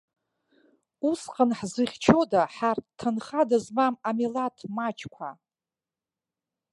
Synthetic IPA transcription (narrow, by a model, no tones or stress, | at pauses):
usqʼənħzɨχʲt͡ʃʰodaħarttʰːɨnχadazmamamilatʰmat͡ʃʰʼkʷʰa